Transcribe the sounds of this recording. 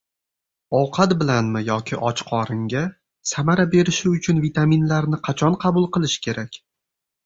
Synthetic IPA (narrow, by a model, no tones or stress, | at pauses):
ɒwqʰɑt̪bɪlanmɪjɒkʲʰɪʔɒt͡ʃqʰɒɾɪŋɡʲa | samaɾabe̞ɾɪʃɪʊt͡ʃʰʊnvit̪ʰaminlaɾnɪqʰɑt͡ʃʰɒnqʰɑbʊlˠqɨlˠɪʃɪ̥kʲʰe̞ɾakʲ